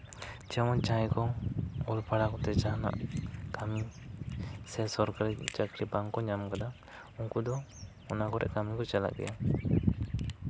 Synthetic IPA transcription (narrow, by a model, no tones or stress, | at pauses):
t͡ʃɛmɔt͡ʃãjkɔulpʰaɽakɔt̪ɛt͡ʃaɦna̰ʔkami | sɛsɔɾkaɾit͡ʃakɾibaŋkɔɲamkad̪a | uŋkud̪ɔ | ɔnakɔɾɛ̰ʔkamikɔt͡ʃala̰ʔɡɛ̰ja